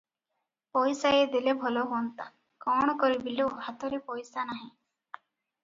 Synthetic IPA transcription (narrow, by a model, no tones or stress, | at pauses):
pɔjsaed̪ilebʱɔlɔɦont̪a̰ | kɔɽ̃ɔkɔɾibilewhat̪ɔɾepɔjsanaɦĩ